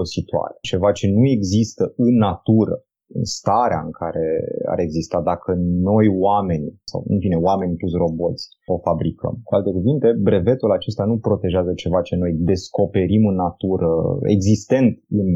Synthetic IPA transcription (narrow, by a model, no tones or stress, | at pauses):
osit̪oa̰ɾet͡ʃe̞vat͡ʃe̞nue̞ɡzist̪əɨnːat̪uɾə̰ | ɨ̰nst̪aɾea̰ɨ̰ŋkʰaɾe̞a̰ɾe̞ɡzist̪ad̪akʰəno̞jwame̞nisa̰wɨ̰nfine̞wame̞nʲpusro̞bo̞t̪sʲ | o̞fabɾikʰə̰mkualt̪e̞kuvint̪e̞bɾe̞ve̞t̪ulat͡ʃe̞st̪anupɾo̞t̪e̞ʒeazət͡ʃe̞vat͡ʃe̞no̞jd̪e̞sko̞pe̞ɾimɨnːat̪uɾʔə̰ḛɡzist̪e̞nt̪ɨn